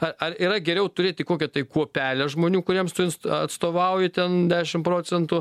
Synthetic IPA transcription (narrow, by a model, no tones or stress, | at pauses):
ɐɐriːɾɐɡʲɛɾʲɛʊt̪ʊɾʲeːt̪ʲɪkoːkʲɛt̪ɐɪkuɔpʲæːlʲɛʒmoːnʲuːkʊɾʲiɛmst̪ʊɪnsɐt̪st̪oːʋɐʊjɪt̪ʲɛnd̪ʲæːʃʲɪmpɾoːt͡s̪ʲɛnt̪ʊ